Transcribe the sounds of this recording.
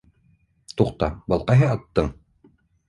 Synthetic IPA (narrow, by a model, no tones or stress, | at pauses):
t̪uqt̪ɑ̰bɤ̆lˠqɑjɦɤɑt̪ːɤɴ